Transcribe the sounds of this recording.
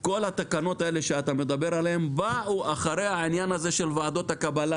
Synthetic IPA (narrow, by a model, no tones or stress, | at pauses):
ko̞lhat̪akano̞t̪ae̞le̞ʃeat̪ame̞d̪abe̞ɾaleembauaχaɾe̞jhainjanazeʃe̞lvaːd̪o̞t̪hakabala